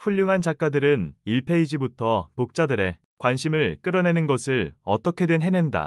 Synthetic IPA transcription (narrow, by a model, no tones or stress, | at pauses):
ɸuʎːuŋɦant͡ɕak͈̚adɯɾɯniɭpʰe̞id͡ʑibutʰʌpok̚t͡ɕ͈adɯɾe̞ | kwanɕʰimɯɭk͈ɯɾʌne̞nɯnɡʌsʰɯɭʌ̰t͈ʌkʰe̞dwenɦe̞ne̞nda̰